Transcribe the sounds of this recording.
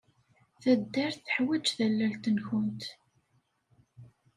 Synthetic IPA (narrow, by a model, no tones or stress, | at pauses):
θæd̪ːæɾθθə̥ħwæd͡ʒθælːælt̪ənçʊnt̪